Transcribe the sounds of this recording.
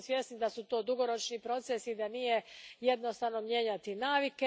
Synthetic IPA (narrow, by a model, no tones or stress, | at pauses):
sjesnid̪asut̪o̞ːd̪uɡo̞ɾo̞t͡ʃnipɾo̞t̪sesid̪anijeje̞d̪no̞st̪aʋnomje̞ːɲat̪inaːʋike